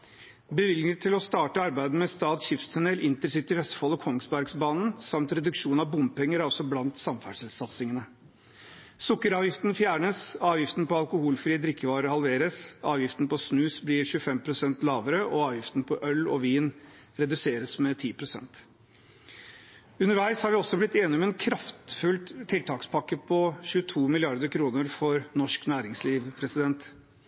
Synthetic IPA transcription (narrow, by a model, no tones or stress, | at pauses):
bəʋɪlət̪ʰːɪlɔst̪ɑːʈəɑɾbæɪd̪̩mɛst̪ɑːd̪ɕɪft̪st̪ʰænɛlʔɪnt̪əɾsɪt̪ːɪʋɛst̪fɔlɔkʰɔŋsbæɾɡsbɑːnn̩sɑmt̪ɾɛd̪ʉkʂuːnɑʋbʊmpɛŋːəɾæɾɔsɔblɑnt̪sɑmfæ̰ʂɪlsɑt̪sɪŋənə | sʊkːəɾɑːʋjɪft̪nfjæːɳəsɑːʋjɪft̪npɔɑlkʊhuːlfɾiːəd̪ɾɪkʰːəʋɑːɾəɾhɑlʋeːɾəsɑːʋjɪft̪n̩pɔsnʉːsblɪːɾɕʉːəfɛmpʰɾʊsɛnt̪lɑːʋəɾəʔɔɑːʋjɪft̪npʰɔʔœlɔ̰ʋiːn | ɾɛd̪ʉseːɾəsmɛt̪ʰiːpʰɾʊsɛ̰nt̪ | ʉnəɾʋæɪshɑɾʋɪɔsɔblɪt̪ːeːnɪmɛnkʰɾɑft̪fʉlt̪ʰːɪlt̪ʰɑːkspʰɑkːəpʰɔɕʉət̪ʰuːmɪlɪɑɾd̪əɾkʰɾuːnəɾfɔɾnɔʂknæːɾɪŋsliːʋpʰɾɛsɪd̪ɛnt̪